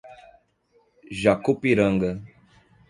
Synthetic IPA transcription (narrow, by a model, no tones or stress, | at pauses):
ʒakupiɾə̃ŋɡə